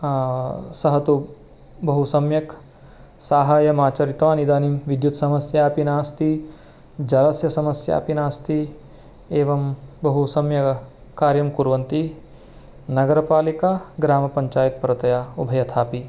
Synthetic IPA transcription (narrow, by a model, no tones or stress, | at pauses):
sɐɦɐt̪u | bɐɦusɐmjɐk | saːɦaːjɐmaːt͡ʃɐɾit̪ʋaːnid̪aːnimʋid̪jut̪sɐmɐsjaːpinaːst̪i | d͡ʒɐlɐsjɐsɐmɐsja̰ːpinaːst̪ʰi | eːʋɐmbɐɦusɐmjɐ | kaːɾjɐmkuɾʋɐnt̪i | nɐɡɐɾɐpaːlikaɡɾaːmɐpɐɲt͡ʃaːjɐt̪̚pɐɾɐt̪ɐjaːubʱɐjɐt̪ʰaːpi